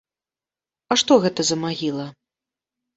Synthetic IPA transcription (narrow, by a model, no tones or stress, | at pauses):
ɐʂt̪ɔɣɛt̪ɐzɐmaɣʲilˠɐ